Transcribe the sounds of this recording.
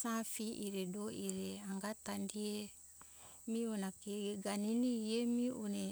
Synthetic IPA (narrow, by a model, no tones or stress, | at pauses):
sãfiʔiɾedoiɾeaŋɡatandie | mionakeɡaniniemiune